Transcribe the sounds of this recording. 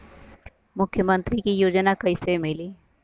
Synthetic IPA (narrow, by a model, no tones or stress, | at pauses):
mʊkʰːjəmə̃nt̪ɾikijoːd͡ʒnakəɪsemɪliː